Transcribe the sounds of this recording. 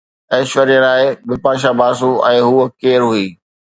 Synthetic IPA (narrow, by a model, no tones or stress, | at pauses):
ɛːʃʋəɾiə̃laːɪbɪpaːʃ̬abaːs̬ũɛ̃ːɦuːəkeːɾɦuiː